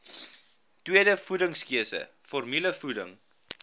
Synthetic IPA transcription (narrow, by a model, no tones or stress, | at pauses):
twiəɾəfudəŋskiəsə̰ | fɔrmyləfudəŋ